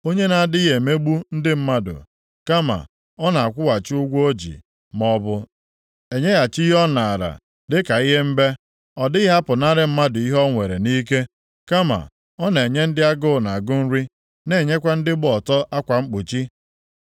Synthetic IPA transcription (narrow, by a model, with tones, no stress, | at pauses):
o˦ɲe˦na˨a˨dɪ˦ɦe˨me˦ɡ͡bu˦n̩˦dɪ˦m̩˦ma˦dʊ̰˨ | ka˦ma̰˨ | ɔ˦na˨a˨kʷʊ˦wa˨t͡ʃɪ˦ʊ˦ɡʷo˦d͡ʒḭ˨ | m˦ɔ˦bʊ˦ | e˨ɲe˦ja˨t͡ʃi˦ɦɔ˦na˨a˨ɾa̰˨ | dɪ˦ka˨i˦ɦe˦m̩˦be˦ | ɔ˨dɪ˦ɦa˦pʊ˨na˦ɾɪ˦m̩˦ma˦dʊ˨i˦ɦɔ˦ŋʷe˨ɾe˨ni˦k̬e˦ | ka˦ma̰˨ | ɔ˦nee˨ɲe˦n̩˦dɪ˦a˦ɡʊ˦˨na˨ɡʊ˦n̩˦ɾi˦ | ne˦˨ɲe˦kʷa˦n̩˦dɪ˦bɔ˨tɔ˦ʔa˦kʷa˨ŋ͡m̩˦k͡pu˨t͡ʃi˦